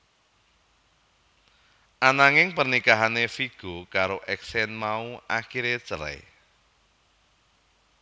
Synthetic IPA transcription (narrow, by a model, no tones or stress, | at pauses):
ʔanaŋɪŋpərnikaɦanefiɡ̥o̤kaɾoʔɛksɛnmauʔaxiɾet͡ʃəɾɛ̰